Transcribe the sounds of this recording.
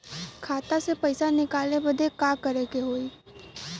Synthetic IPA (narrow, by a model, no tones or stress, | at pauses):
kʰaːt̪asepəɪsanɪkaːlebəd̪ʱekaːkəɾeːkeɦoːiː